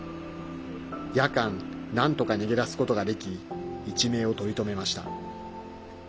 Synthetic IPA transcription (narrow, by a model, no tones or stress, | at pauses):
jakãnnãnt̪o̞kane̞ɡʲe̞ɾasɨ̥ko̞t̪o̞ɡad̪e̞kʲiːt͡ɕime̞ːo̞t̪o̞ɾʲit̪o̞me̞maɕi̥t̪a̰